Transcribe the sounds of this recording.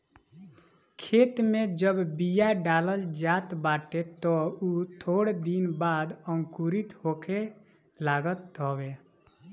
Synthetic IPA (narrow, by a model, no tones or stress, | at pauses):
kʰeːt̪mẽd͡ʒəbbijaɖaːləld͡ʒaːt̪baːʈet̪ɔut̪ʰoːɽd̪inbaːd̪ə̃ŋkuɾit̪ɦoːke | laːɡət̪ːɔbe